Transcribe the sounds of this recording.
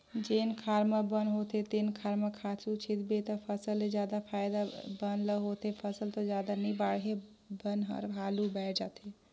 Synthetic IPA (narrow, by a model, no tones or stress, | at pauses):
d͡ʒenkʰaɾmabənɦot̪et̪enkʰaɾmakʰat͡ʃut͡ʃʰit̪bet̪ɔpʰəsəlːed͡ʒjaːd̪apʰaːjd̪abənləɦot̪epʰəsəlt̪ɔd͡ʒaːd̪anibaɽɦe | bənɦə̰ɾbʱalubɛʈʰd͡ʒaːt̪e